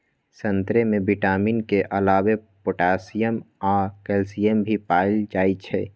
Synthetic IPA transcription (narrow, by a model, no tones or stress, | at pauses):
sə̃nt̪ɾemẽbɪʈaːmiːnkeʔəlaːwepoʈaːsijəmaːkɛlsijəmbʱipaːɪld͡ʒaːit͡ʃʰɛː